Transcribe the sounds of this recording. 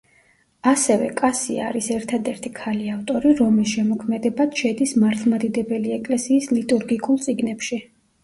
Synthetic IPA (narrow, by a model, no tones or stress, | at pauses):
asɛvɛ̰kʼasḭa̰ɾisɛɾt̪ʰad̪ɛɾt̪ʰikʰaliaft̪ʼɔɾiɾɔmisʃɛmɔkʰmɛd̪ɛbad̪̥ʃɛd̪ismaɾt̪ʰlˠmad̪id̪ɛbɛliɛkʼlɛsiːslit̪ʼuɾɡikʼulˠt̪sʼiɡnɛpʃi